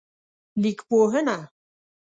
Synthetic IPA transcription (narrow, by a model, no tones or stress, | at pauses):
likpoɦəna